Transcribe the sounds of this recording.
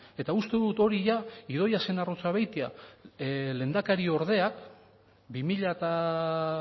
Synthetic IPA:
e̞t̪aust̪e̞ðut̪o̞ɾiʝaið̞o̞jase̞narot͡saβejt̪ia | le̞nd̪akaɾio̞ɾð̞e̞ak | bimiʎat̪a

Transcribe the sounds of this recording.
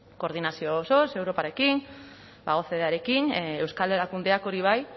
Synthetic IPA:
ko̞ːɾðinasio̞ːso̞se̞wɾo̞paɾe̞kin | baɣo̞θe̞ðeaɾe̞kine̞wskaleɾakund̪e̞ako̞ɾiβ̞aj

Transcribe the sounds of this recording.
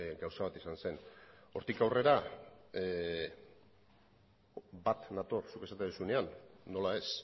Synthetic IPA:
ɡawsaβat̪isanse̞no̞̰ɾt̪ikawre̞ɾa | bat̪nat̪orsuke̞sat̪eðusuneanːo̞lae̞s

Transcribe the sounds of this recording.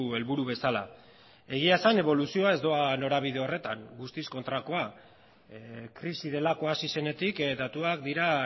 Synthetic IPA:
e̞lβuɾuβe̞sala | e̞ɣ̞iasane̞β̞o̞lusio̞ae̞zd̪oano̞ɾaβiðe̞o̞re̞t̪a̰ŋɡust̪isko̞nt̪ɾako̞a | kɾisið̞e̞lako̞asise̞ne̞t̪ikd̪at̪uakd̪iɾa

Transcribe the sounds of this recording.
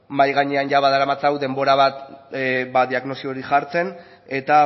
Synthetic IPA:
majɣaɲeanʝaβaðaɾamat͡sawðe̞mbo̞ɾaβ̞at̪ | baðiaɣno̞sioɾiʝaɾt͡se̞n | e̞t̪a

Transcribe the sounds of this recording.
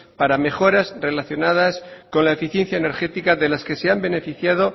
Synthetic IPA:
paɾame̞xo̞ɾazre̞laθjonað̞asko̞nlae̞fiθje̞n̟θjaene̞ɾxe̞t̪ikaðe̞laske̞se̞ambe̞ne̞fiθjað̞o̞

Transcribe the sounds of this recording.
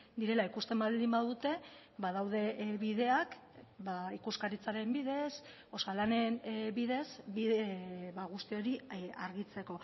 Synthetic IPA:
d̪iɾe̞laikust̪e̞mbald̪imbaðut̪e̞βað̞awð̞e̞βiðe̞ak | baikuskaɾit͡saɾe̞mbiðe̞s | osalanenbiðe̞sbiðeβaɣust̪io̞ɾiaɾɣit͡se̞ko̞

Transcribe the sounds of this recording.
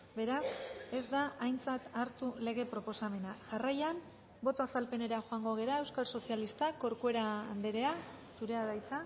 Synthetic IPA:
be̞ɾase̞zd̪aʔajnt͡sat̪aɾt̪ule̞ɣ̞e̞pɾo̞po̞same̞naʝarajan | bo̞t̪o̞asalpe̞ne̞ɾaxoaŋɡo̞ɣ̞e̞ɾae̞wskalso̞sialist̪ako̞ɾkue̞ɾaːnd̪e̞ɾe̞a | suɾe̞aðajt͡sa

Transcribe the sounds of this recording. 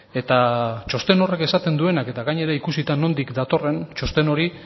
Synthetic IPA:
e̞t̪at͡ʃo̞st̪e̞no̞re̞ke̞sat̪e̞nd̪ue̞nake̞t̪aɣajɲe̞ɾaikusit̪anːo̞nd̪ikd̪at̪o̞re̞nt͡ʃo̞st̪e̞no̞ɾi

